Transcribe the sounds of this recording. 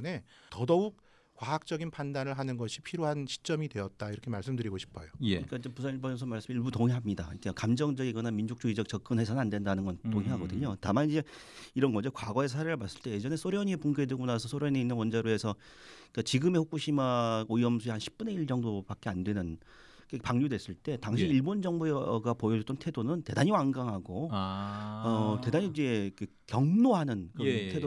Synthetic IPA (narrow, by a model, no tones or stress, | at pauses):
ne̞tʌdʌuk̚ | k͈waɦak̚t͡ɕ͈ʌɡinpandanɯɭɦanɯnɡʌɕʰipʰiɾjoɦanɕʰi̥t͡ɕ͈ʌmidwe̞ʌt̚t͈aiɾʌkʰemaɭs͈ɯmdɯɾiɡoɕʰi̥pʰʌjoeik͈aid͡ʑepusʰaniɭbʌjʌns̬ʰʌmaɭs͈ɯmiɭbutoŋiɦamɲida̰ik͈akamd͡ʑʌŋd͡ʑʌɡiɡʌnamind͡ʑuk̚t͡ɕ͈oid͡ʑʌk̚t͡ɕʌk̚k͈ɯnɦesʰʌnnandwe̞ndanɯnɡʌnt͈oŋiɦaɡʌdɯɲotamanid͡ʑe̞iɾʌnɡʌd͡ʑʌkwaɡʌe̞s̬ʰaɾeɾɯɭmas͈ɯ̥ɭt͈e̞je̞d͡ʑʌne̞s͈ʰoɾjʌɲiepuŋɡedweɡonasʰʌsʰoɾjʌɲeinːɯnwʌnd͡ʑaɾoe̞sʰʌ | ik͈at͡ɕiɡɯmeɸuk͈uɕʰimaoiʌmsʰuehanɕʰi̥p̚p͈uneiɭt͡ɕʌŋdopak͈e̞andwe̞nɯn | kepaŋɲudwe̞s͈ɯɭt͈e̞taŋɕʰiiɭbond͡ʑʌŋbuɡapojʌd͡ʑot͈ʌntʰe̞donɯnte̞daɲiwaŋɡaŋɦaɡo | ʌte̞daɲid͡ʑe̞k͈e | kjʌŋnoɦanɯnkɯʌttʰedo